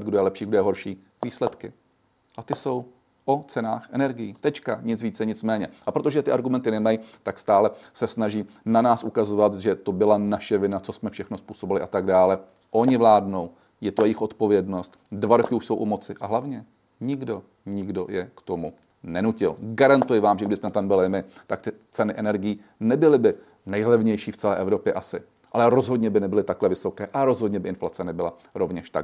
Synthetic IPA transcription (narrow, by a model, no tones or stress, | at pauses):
d̪̚ɡdojɛlɛpʃiːɡdojɛɦo̞ɾʃiː | viːslɛt̪kɪ | ʔat̪ɪso̞w | ʔo̞t͡sɛnaːxʔɛnɛɾɡɪjiːt̪ɛt͡ʃkaɲɪt͡sviːt͡sɛɲɪt͡smɛːɲɛʔapɾot̪o̞ʒɛt̪ɪaɾɡumɛnt̪ɪnɛmajit̪akst̪aːlɛsɛsnaʒiː | nanaːsʔukazovat̪ʒɛt̪o̞bɪlanaʃɛvɪnat͡so̞smɛfʃɛxno̞spuːso̞bɪlɪʔat̪aɡdaːlɛ | ʔo̞ɲɪvlaːdno̞w | jɛt̪ojɛjɪxʔo̞t̪po̞vjɛdno̞st̪dvaɾokɪuʃso̞wʔumo̞t͡sɪʔaɦlavɲɛ | ɲɪɡdo̞ | ɲɪɡdo̞jɛkt̪o̞mu | nɛnucɪlɡaɾant̪ujɪvaːmʒɛɡdɪsmɛt̪ambɪlɪmɪt̪akt̪ɪt͡sɛnɪʔɛnɛɾɡɪjiː | nɛbɪlɪbɪ | nɛjɦlɛvɲɛjʃiːft͡sɛlɛ̰ːʔɛvɾo̞pjɛʔasɪ | ʔalɛɾo̞zɦo̞dɲɛbɪnɛbɪlɪt̪aklɛvɪso̞kɛːʔaɾo̞zɦo̞dɲɛbɪʔɪnflat͡sɛnɛbɪla | ɾo̞vɲɛʃt̪a